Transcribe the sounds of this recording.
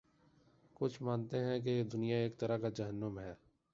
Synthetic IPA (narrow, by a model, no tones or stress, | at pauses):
kʊt͡ʃʰmaːnt̪eɦɛ̃k̬ed̪ʊnijaeːk̚t̪ɐɾakad͡ʒɐɦənːəmɦɛː